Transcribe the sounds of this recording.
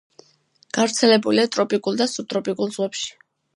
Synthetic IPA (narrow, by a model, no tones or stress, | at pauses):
ɡ̥avɾt̪sʰɛlɛbuliat̪ʼɾɔpʼikʼulˠd̪asut̪ʼɾɔpʼikʼulˠz̥ʁwɛpʃi̥